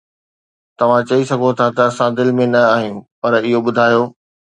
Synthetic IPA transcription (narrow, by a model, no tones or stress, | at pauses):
t̪ɐʋ̤ãt͡ɕɐisɐɡʱot̪ʰat̪ɐɐsãd̪ɪlɪ̆mẽnɐaːɦijũpɐɾɪɦoɓʊd̪ʱaːjo